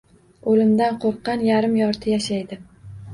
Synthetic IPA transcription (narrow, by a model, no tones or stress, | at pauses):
olɪmd̪anqʰoɾqːɑnjaɾɪmjɒɾt̪ʰɪjaʃajd̪ɪ